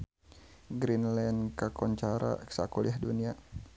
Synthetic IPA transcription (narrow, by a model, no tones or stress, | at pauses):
ɡɾinlɛnkakɔɲt͡ʃaɾa̰sa̰kuliahdunia